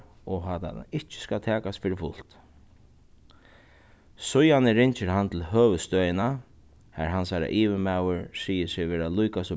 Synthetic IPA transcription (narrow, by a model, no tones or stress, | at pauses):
ɔɦat̪a̰ɪht͡ʃɪ̥skat̪ʰɛːkast̪fɪɾɪfʊl̥t̪ | sʊjanɪɾɪɲt͡ʃɪɾɦant̪ʰɪlɦøːʋəst̪œːjɪna | hɛɾɦansaːɾa̰ʔiːʋɪmawəɹsiːjɪsɪʋeːɾalʊjkasɔ